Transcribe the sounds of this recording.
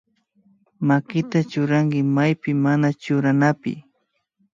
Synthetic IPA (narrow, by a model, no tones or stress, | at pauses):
makɪt̪at͡ʃʊɾaŋkɪmajpɪmanat͡ʃʊɾanapɪ̰